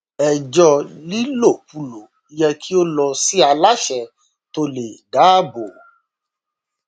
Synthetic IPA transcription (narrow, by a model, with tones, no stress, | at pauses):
ɛ˨d͡ʒɔ˧li˦lo˦˨pu˨˧˨lo˨ | i˦jɛ˧ki˦o˦lɔ˧si˦a˧la˦ʃɛ˧ | to˧le˨da˨˦bo˨